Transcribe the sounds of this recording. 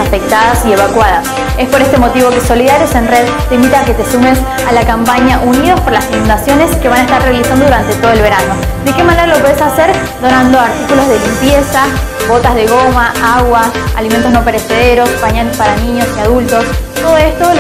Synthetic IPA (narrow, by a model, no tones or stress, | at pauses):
afe̞k̚t̪aðasie̞βakwaðas | e̞spo̞ɾest̪e̞mo̞t̪iβo̞ke̞so̞liðaɾjosenreð | t̪eimbit̪aake̞t̪esumes | alakampaɲaʔunið̞ospo̞ɾlasinũnd̪asjo̞neske̞βanaest̪arre̞alisand̪o̞ðuɾant̪e̞t̪o̞ð̞oelβe̞ɾano̞d̪eke̞maneɾalo̞pweðesaseɾ | d̪o̞nand̪oaɾt̪ikulo̞zðe̞limpje̞sa | βo̞t̪azðe̞ɣo̞maaɣwaa̰liment̪oznope̞ɾeseð̞eɾo̞spaɲalespaɾanĩɲo̞siað̞ult̪o̞st̪oðoest̪o